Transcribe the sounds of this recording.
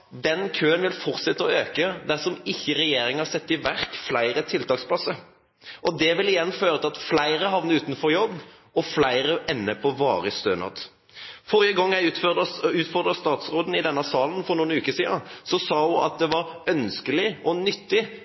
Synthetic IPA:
d̪ɛnkʰøːənʋɪlfɔʁt̪sɛt̪ːəɔøːkəd̪æsɔmɪçːəɾɛjeːɾɪŋhɑɾsɛt̪ːɪʋæɾkflæɪɾət̪ʰɪlt̪ɑːkspʰlɑsːəɾ | ʔɔd̪ɛʋɪlɪjɛnːføːɾət̪ɪlɑt̪flæɪɾəɦɑʋnəʉːt̪nfɔɾjɔbː | ɔflæɪɾəʔɛnːəpʰɔʋɑːɾəst̪øːnɑ̰ːt̪ | fɔɾjəɡɑŋːjæɪ | ʉːt̪fɔɾd̪ɾʁəst̪ɑːt̪sɾoːd̪n̩ɪd̪ɛnːɑsɑːlnfɔɾnuːnʉːkəsiːəsɔsɑːhʊʔɑ̰t̪̚d̪ɛʋɑɾœnskəlɪɔnʏt̪ːɪ

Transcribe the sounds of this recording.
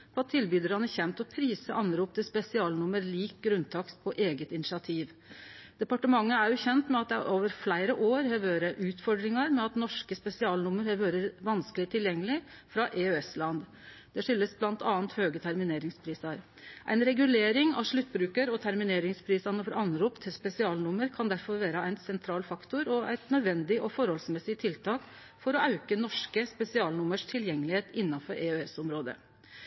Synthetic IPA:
pʰɔɑt̪ʰːɪlbyːd̪əɾɑnəçɛnt̪ɔpʰɾiːsəʔɑnɾuːpt̪əspɛsɪɑːlnʊmːəɾliːk̚ɡɾʉnt̪ʰɑkspʰɔʔeːɡət̪ɪnɪʂɑt̪ʰiːʋ | d̪̥ɛpɑʈəmɑŋːəæɾjʊçɛnt̪mɛɑt̪̚d̪ɛʔoːʋəɾflæɪɾəʔoːɾhɛʋøːɾəʔʉːt̪fɔɾɖ̪ɾɪŋɑɾmɛɑt̪nɔʂkəspɛsɪɑːlnʊmːəɾhɛʋøːɾəɾʋɑnskəlɪt̪ʰɪljɛŋːəlɪ | fɾɑʔeøɛslɑnd̪ | d̪̥ɛʂʏlːəsblɑnt̪ʰɑːnt̪høːɡət̪ʰæɾmɪneːɾɪŋspʰɾiːsɑɾ | ʔæ̰ɪnɾɛɡʉleːɾɪŋɑ̰ʂɭʉt̪ːbɾʉːkəɾɔt̪ʰæɾmɪneːɾɪŋspʰɾiːsɑnəfɔɾʔɑnɾuːpt̪ʰɪlspɛsɪɑːlnʊməɾkʰɑnd̪æɾfɔɾʋæːɾəæɪnsɛnt̪ʰɾɑːlfɑkt̪ʊɾɔæ̰ɪt̪nœd̪ʋɛnd̪ɪʔɔfɔɾhɔlsmɛsɪt̪ʰɪlt̪ʰɑːk | fɔɾɔɑʉkənɔʂkəspɛsɪɑːlnʊməʂt̪ʰɪljɛŋːəlɪheːt̪ɪnːɑfɔɾʔeøɛsɔmɾoːd̪ə̰

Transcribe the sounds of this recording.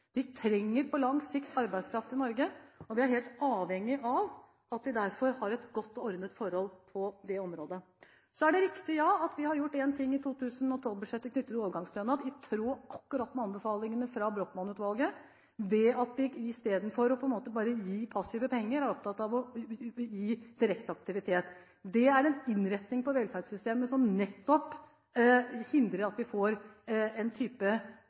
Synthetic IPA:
ʋɪt̪ʰɾɛŋːəɾpʰɔlɑŋsɪkt̪ɑɾbæɪd̪skʰɾɑft̪ɪnɔɾɡəɔʋɪæɾɦeːlt̪ɑːʋhɛŋːɪʔɑʋ | ɑt̪ʋɪd̪æɾfɔɾhɑɾɛt̪ɡɔt̪ːɔɔɾd̪ət̪fɔɾhɔlpʰɔd̪ɛɔmɾoːd̪ə | sɔæɖɛɾɪkt̪ɪj̪ɑːɑt̪ʋɪhɑɾjʊʈːeːnt̪ʰɪŋːɪt̪ʰuːt̪ʰʉːsənɔt̪ʰɔlʋbʉʂɛt̪ːəknʏt̪ːət̪oːʋəɾɡɑŋst̪ɾœnɑt̪ɪt̪ʰɾuːɑkːʉɾɑt̪ːmɛɑnbəfɑːlɪŋənəfɾɑbɾoːk̪mɑnʉːt̪ʋɑlɡə | d̪ɛɑt̪ʋɪɪst̪eːd̪n̩fɔɾɔpʰɔɛnmoːt̪əbɑːɾəjiːpʰɑsiːʋəpʰɛŋːəɾæɾɔp̚t̪ʰɑt̪ːɑʋɔjiːd̪̥ɪɾɛkt̪ɑk̚t̪ɪʋɪt̪ʰeːt̪ | d̪ɛæɾɛnɪnɾɛt̪nɪŋpɔʋɛlfæɖsʏst̪eːməsɔmnɛt̪ːɔp | hɪnd̪ɾəɾɑt̪ʋɪfoːɾɛnt̪ʰyːpə

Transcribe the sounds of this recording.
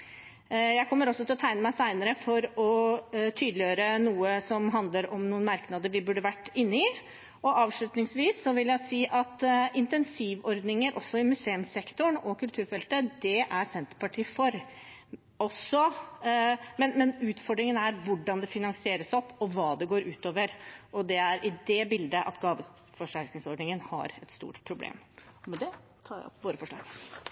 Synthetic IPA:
jæɪkʰɔmːəɾɔsɔt̪ʰɪlɔt̪ʰæɪnəmæɪsæɪnəɾəfɔɾɔt̪ʰyːd̪lɪjøːɾənuːəsɔmɦɑnd̪ləɾɔmnuːənmɑɾknɑːd̪əɾʋɪbʉɖːəʋæʈːɪnːəɪ | ɔʔɑːʋʂɭʉt̪nɪŋsʋiːsːɔʋɪljæɪsiːʔɑt̪ɪnt̪ɛnsiːʋɔɾd̪nɪŋəɾʔɔsːɔɪmʉseːʉmsɛkt̪ʊɳɔkʰʉlt̪ʰʉːɾfɛlt̪əd̪ɛʔæɾsɛnt̪əɾpɑʈʰiːfɔɾ | ɔsːɔ | mɛnmɛnʉːt̪fɔɖɾɪŋənæɾʋʊɖɑnd̪ɛfɪnɑŋsɪeːɾəsɔpːɔʋɑːd̪ɛɡoːɾʉːt̪oːʋəɾʔɔd̪ɛæɾʔɪd̪ɛbɪld̪əʔɑ̰t̪ɡɑːʋə | fɔʂæɾknɪŋsɔɖɳɪŋənhɑ̰ɾɛt̪st̪ṵːʈpʰɾʊblḛːmɔmɛd̪ɛ | t̪ʰɑ̰ːpʋoːɾəfɔʂɭlɑ̰ːɡ

